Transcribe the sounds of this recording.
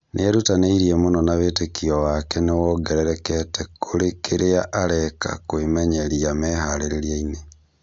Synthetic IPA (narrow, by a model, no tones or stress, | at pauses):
nʔeeɾutaneiɾiemonɔnaβeːtekiɔwakɛnewɔɡɛɾɛɾɛkɛtɛkʰoɾekeɾeaʔaɾɛka̰kwemɛɲeɾiamɛːhaɾeɾeɾiaine